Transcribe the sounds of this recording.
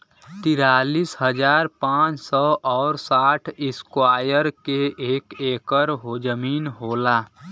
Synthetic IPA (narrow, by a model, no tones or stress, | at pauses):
t̪iɾalisɦəd͡ʒaːɾpãt͡ʃsɔʔɔːɾsaʈʰɪskwajəɾkeʔeːkekəɾɦod͡ʒəminɦola